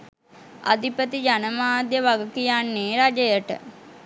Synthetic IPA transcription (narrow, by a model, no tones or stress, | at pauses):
a̰d̪ipət̪id͡ʒanəmaːd̪jəʋaɡəkijanːeːɾad͡ʒəjəʈə̰